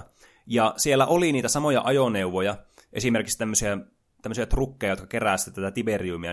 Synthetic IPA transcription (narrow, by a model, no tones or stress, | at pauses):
jɑsielːæʔoliniːt̪æsɑmojɑ̰ʔɑjoneuʋojɑ | ʔe̞simerkikst̪æmːøsiæ | t̪æmːøsiɑt̪rukːejɑjot̪kɑ̥keræːˑsit̪ːet̪æt̪æt̪iberiumiɑ̰